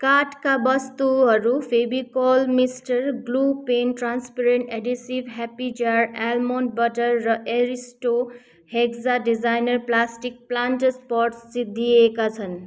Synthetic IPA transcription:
kaʈkabʌst̪uɦʌɾupʰebikɔlmisʈʌɾɡlupenʈɾanspeɾeɳʈeɖisibɦɛpid͡ʒaɾɛlmonbʌʈʌɾːʌʔeɾisʈo | heɡd͡zaɖid͡zajnʌɾplasʈik̚planʈspɔɾʈst͡sid̪ʱiekat͡sʰʌn

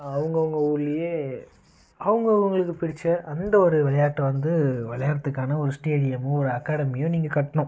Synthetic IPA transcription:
ɐʋɐŋɡɐʋɐŋɡɐʊɭːɪje | ɐʋɯŋɡɐʊŋɡɐɭɯkːɯpɪɽɪt͡ʃːɐʔɐnd̪ɐɔɾɯʋɪlɐjaːʈːɐʋɐnd̪ɯʋɪɭɐjaːɾɐt̪ːɯkːaːnɐɔɾɯsʈeːɽɪjɐmɔɾɯɐkːaːɽɐmɪjʊ̃niːŋɡɐkɐʈːɐɳʊ̃

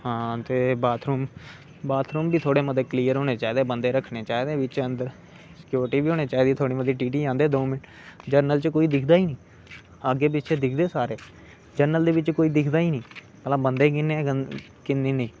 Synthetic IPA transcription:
ɦãːt̪eːbaːt̪ʰɾuːm | baːt̪ʰɾuːmbiːt̪ʰoːɽeːməd̪eːkliːəɾɦoːneːt͡ʃaːiːd̪eːbənd̪eːɾəkʰːɳeːt͡ʃaːiːd̪eːʋɪt͡ʃənd̪əɾ | sɪ̥kjuːɾʈiːbiːɦoːneːt͡ʃaːiːd̪iːt̪ʰoːɽiːmət̪ːiːʈiːʈiːãːnd̪eːd̪oːmɪn | d͡ʒəɾnəlt͡ʃkoːiːd̪ɪkʰd̪aːiːnĩː | əɡːeːp̬ɪtːʃʰeːd̪ɪkʰd̪eːsaːɾeː | d͡ʒəɾnəld̪eːʋɪt͡ʃkoːiːd̪ɪkʰd̪aːiːnĩː | pəlãːbənd̪eːkɪnːeː | kɪnːiːnẽː

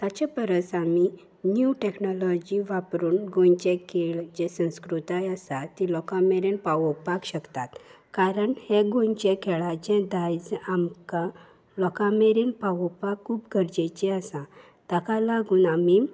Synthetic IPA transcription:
t̪at͡ɕepəɾəsami | njuʈeknɔlɔd͡ʑiʋapɾuːnɡõɲt͡ɕɛ̃keɭd͡ʑɛsə̃w̃skɾut̪ajasat̪ːilɔkameɾenpaʋɔpakɕəkt̪at̪ | kaɾəɳhɛ̃ɡõɲt͡ɕɛ̃kʰɛɭad͡ʑɛ̃d̪ajd͡zamka | lɔkãmeɾenpaʋɔpakʰːuːpɡəɾd͡ʑɛt͡ɕɛəsã | t̪əkalaɡuːnami

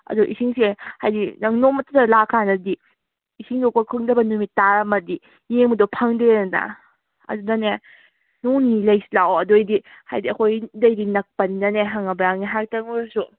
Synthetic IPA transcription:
ɐ̰duʔisiŋsehajdinɐŋnomɐtutalakʰanɐdi | isiŋdɔkokʰɯŋdɐbɐnumitːaɾɐmɐdi | jeŋmɐdopʰaŋdenna̰ | ɐ̰dudɐne | noŋnilɐjsilawɐdojdiha̰jdiɐkʰojdɐjdinɐk̚pɐninɐneɦaŋɐbɾaŋniɦak̚tɐŋɔɾsu

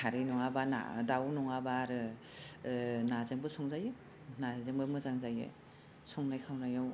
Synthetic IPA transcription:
kʰaɾɯjnɔŋabana̰dawnɔŋabaɾɯ | nazeŋbɯsɔŋzaje | nazeŋbɯmɯzaŋzajḛ | sʰɔŋnajkʰawnajaw

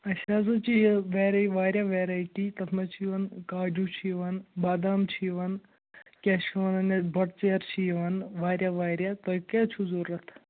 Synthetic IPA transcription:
ɐʃʰaːs̬ɐt͡ʃiʋeːɾaʋaːɾjaʋeːɾaːiʈit̪ɐt̪ʰmɐt͡ʃʰiʋɐnkaːd͡ʒut͡ʃʰiʋɐnbaːd̪aːmt͡ʃʰiːʋɐn | kʲet͡ʃʰiʋɐnɐnebʱɐʈt͡ʃeːɾt͡ʃʰiʋɐnʋaːɾjaʋaːɾjat̪oːkat͡ʃʰuzuɾɐt̪ʰ

